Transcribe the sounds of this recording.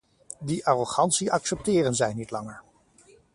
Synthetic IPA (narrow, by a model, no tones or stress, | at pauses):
diʔaːroχɑntsiɑksɛp̚tɪːrənzɛjnitlɑŋəɹ